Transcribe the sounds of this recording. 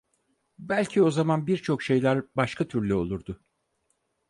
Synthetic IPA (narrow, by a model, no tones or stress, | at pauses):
bælʲcʰio̞zamanbiɾt͡ʃʰo̞kʃe̞jlʲæɾbaʃkʰat̪ʰyɾlʲyo̞lˠuɾd̪ʊ